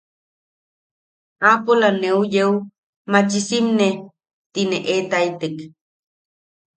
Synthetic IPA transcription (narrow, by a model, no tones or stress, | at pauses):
apolaneujew | mat͡ʃisimne | t̪ineʔet̪ajt̪ək